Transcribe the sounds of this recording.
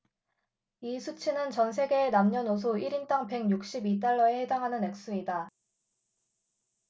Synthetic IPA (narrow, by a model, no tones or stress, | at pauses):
isʰut͡ɕʰinɯnt͡ɕʌns̬ʰe̞ɡe̞ːnamɲʌnos̬ʰuiɾint͈aŋpe̞ŋjuk̚ɕ͈ibit̬͈aɭːʌe̞he̞daŋɦanɯne̞k̚s͈uida